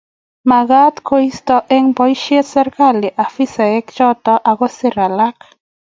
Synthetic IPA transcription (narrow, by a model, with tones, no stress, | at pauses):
ma˨ɣa˦t̪kʰoi˦st̪ɔ˦ʔɛ˦ŋbɔ˦jʃe˦t̪sɛ˦ɾka˦˨le˨ʔa˨fi˦sa˨ɛ˦kt͡ʃɔ˦t̪ɔ˦ʔa˨ɣo˦se˦ɾa˨la˦k